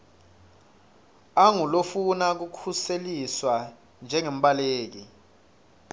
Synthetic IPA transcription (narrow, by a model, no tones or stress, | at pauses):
aŋulofunak̬ukʰuseliswa | nd͡ʒʱɛŋem̩ɓaleːk̬i